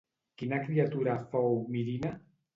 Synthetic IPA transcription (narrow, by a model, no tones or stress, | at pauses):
kinakɾiat̪uɾafowmiɾina